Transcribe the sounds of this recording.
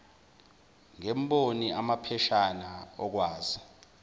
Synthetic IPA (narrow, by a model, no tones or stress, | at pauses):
ŋemɓoniʔamapʰɛʃanaɔk̬waːzi